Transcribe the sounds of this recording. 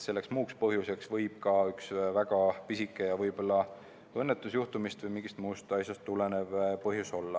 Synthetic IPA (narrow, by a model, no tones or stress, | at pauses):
se̞lːe̞ksmuːkspɤɦjuse̞ksvɤjb̥kɑyksvæɡ̥ɑpisikːˑe̞jɑvɤjb̥o̞lːɑ | ɤnːe̞t̪ːˑusjuht̪umist̪vɯjmiŋɡ̥ist̪muːst̪ɑjsʲjɑst̪ːˑulene̞vpɤɦjuso̞lːɑ